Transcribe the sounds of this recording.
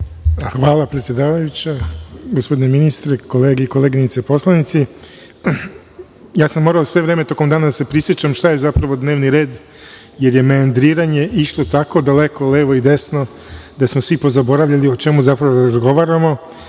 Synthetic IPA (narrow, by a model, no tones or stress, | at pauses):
xʋaːlˠapɾet̪sʲje̞d̪aːʋajut͡ɕaɡospo̞d̪ineminist̪ɾeko̞leːɡeiko̞leːɡinit̪sepo̞slˠanit̪si | jaːsamːo̞ɾaosʋe̞ʋɾe̞ːme̞t̪o̞ko̞md̪aːnad̪asepɾisjet͡ɕamʃt̪aje̞zapɾaʋo̞d̪ne̞ːʋniɾe̞ːd̪ | jeɾje̞meand̪ɾiːɾaɲe̞ʔiʃt̪o̞t̪ako̞d̪aleko̞leːʋo̞id̪e̞sno̞ | d̪asmosʋipo̞zabo̞ɾaʋʎaliot͡ʃe̞muzapɾaʋoɾazɡo̞ʋaːɾamo